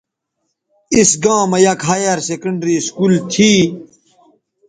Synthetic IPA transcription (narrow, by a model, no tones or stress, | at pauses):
isɡãːmɐjɐkɦaːjɐɾsekəɳɖɾiːskuːlt̪ʰi